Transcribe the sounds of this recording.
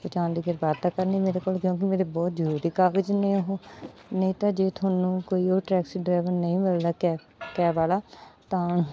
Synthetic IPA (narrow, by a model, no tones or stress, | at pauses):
pət͡ʃãːnd̪iːɡəɾbaːd̪t̪aːkəɾniːmeːɾeːkoːlkjõːk̬ɪmeːɾebɔːt̪zəɾuːɾiːkaːɡəd͡ʒnẽɦːnəĩːt̪ãːd͡ʒeːt̪ʰaːnũːkoːiːoːɾʈɾɛːksiɖɾaːʋəɾnəĩːmɪld̪aːɛ | kɛːbaːlaːt̪ãː